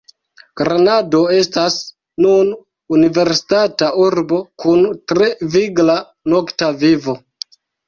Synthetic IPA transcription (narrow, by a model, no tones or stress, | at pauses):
ɡ̥ɾanado̞e̞stas | nun | unive̞ɾsi̥tatauɾbo̞kuntɾe̞viɡla | no̞ktavivo̞